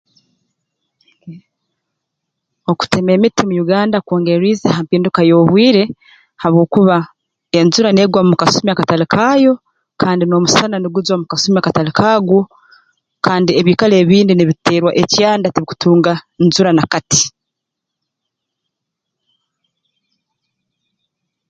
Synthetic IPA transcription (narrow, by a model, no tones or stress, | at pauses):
o̞ku̥te̞me̞mitimujuɡaːndakoːŋɡe̞ɾiːzehampiːndukajo̞ːβwiːɾe̞ | haβwo̞ːkuβa | e̞nzuɾane̞ːɡwamumukasumiakatalikʰajo̞ | kʰaːndino̞musananuɡuzwamukasumiakatalikʰaɡwo̞ | kaːndieβiːkale̞ːβiːndiniβiteːɾwaʔecjaːndatiβiku̥tuːŋɡanzuɾanakati̥